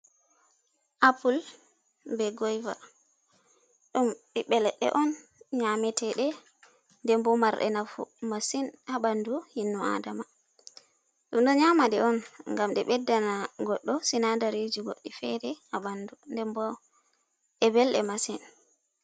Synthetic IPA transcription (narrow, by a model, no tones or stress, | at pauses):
ʔapul | bɛɡɔjva | ɗumɓiɓɛlɛɗɛ̰ʔɔnɲamɛtʰɛɗɛ | ndɛmbɔmaɾɗɛ̰nafṵmasinhaɓanduhinːua̰dama | ɗumɗɔɲamaɗɛɔnŋɡamɗɛɓɛdːanaɡɔɗːɔsinadaɾed͡ʒiɡoɗːifɛɾɛhaɓandundɛmbɔ | ɛbɛlɗɛmasin